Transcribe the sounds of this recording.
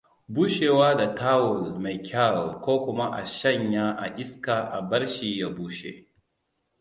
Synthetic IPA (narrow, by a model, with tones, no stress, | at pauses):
buː˦ʃeː˨waː˦da˨taː˦wʊ˨lma˨jkʲʰa˦˨lkʷoː˦kʷʊ˦ma˦ʔa̰˨ʃɐ˦˨ɲjaː˦ʔa̰˨ʔɪ˦ska˨ʔa˨bɐ˦ɽʃiː˨ja˦buː˦ʃḛ˨